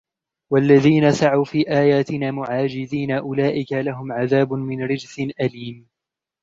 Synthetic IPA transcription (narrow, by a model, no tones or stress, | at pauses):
walːaðiːnasaʕawfiːʔaːjaːt̪ɪnaːmʊʕaːd͡ʒɪðiːnaʔʊlaːʔɪkalaɦʊmʕaðaːbʊmɪnɾɪd͡ʒsɪnʔaliːm